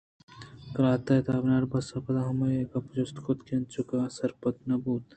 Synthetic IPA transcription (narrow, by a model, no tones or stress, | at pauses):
kɾaːt̪ɐt̪aːbnaːɾbɐsɐpɐd̪aɦɐmɐjekɐpd͡ʒost̪kʰot̪kent͡ʃukaːsɐɾpɐt̪nɐbuːt̪